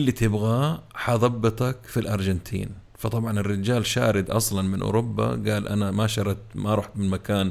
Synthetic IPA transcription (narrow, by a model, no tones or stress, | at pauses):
ʔɪlːit̪ɪbɣaħɑðˤɑbːɨt̪ˤɑkfilʔɑɾˤd͡ʒɪnt̪ʰḭːnfɑt̪ˤɑbʕɑnɪrːɪd͡ʒaːlʃa̰ːɾɪd̪ʔɑ̰sˤlɑnmɪnʔʊ̰ɾʊbːa̰ɡaːlʔa̰namaʃɑɾˤɑt̪maɾˤuːħt̪mɪnmakaːn